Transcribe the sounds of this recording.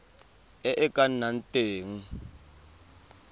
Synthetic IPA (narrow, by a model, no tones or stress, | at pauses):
ɛʔɛkʼan̩nan̩tʼeːŋ̩